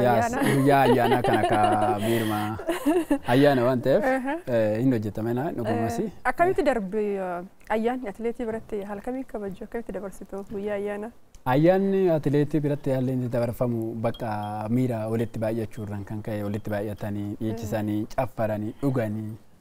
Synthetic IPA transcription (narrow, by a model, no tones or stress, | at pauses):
aɡʊjːaːɐjːaːnakɐnɐkɐbiːɾmaː | ɐjːaːnɐwaːnt̪ɐʔeːfɪnhɔd͡ʒːɛt̪ːɐmɐɛnanɔɡʊmɐsɪɐkːɐmɪt̪ːɪd̪ɐɾbɪ | ɐjːaːnːɐt̪ɪleːt̪iːbɪɾɐt̪ːɪɦɐlkɐmiːkɐbɐd͡ʒːuːɐkːɐmɪt̪ːɪd̪ɐbɐɾsɪt̪uɡʊjːaːɐjːaːnɐ | ɐjːaːnːɪɐt̪ɪleːt̪iːbɪɾɐt̪ːɪjaːlːeːnt̪ɪd̪ɐbɐɾfɐmʊbɐkʼːɐmiːɾaːwɔlɪt̪ːɪbaːʔjɐt͡ʃːuːɪrːɐŋkɐŋkɐʔɛwɔlɪt̪ːɪbaːʔjɐt̪ɐniːᶑiːt͡ʃːɪsɐniːt͡ʃʼɐfːɐɾɐniᶑʊɡɐni